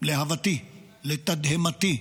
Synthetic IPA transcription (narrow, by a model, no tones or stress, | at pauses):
leɦɐvɐt̪i | let̪ɐd̪ɦemɐt̪i